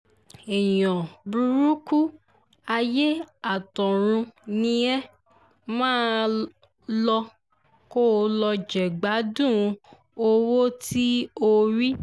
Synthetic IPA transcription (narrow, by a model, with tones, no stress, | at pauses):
e˨jɔ̃˨bu˧ɾu˦ku˦ | a˧je˦a˦˨tɔ̃˨ɾ̃ũ˧nĩ˧ɛ˦ | mãː˦ | lɔ˧ | ko˦˨˧lɔ˧d͡ʒɛ˨ɡ͡ba˨˦dũ˦˨˧ | o˧wo˦tʰi˦o˦ɾi˦